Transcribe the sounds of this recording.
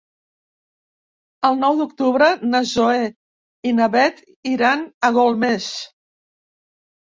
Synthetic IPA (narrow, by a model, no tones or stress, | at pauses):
əlˠnɔwd̪ukt̪uβɾənəzoe | inəβɛt̪ | iɾanəɣolˠmes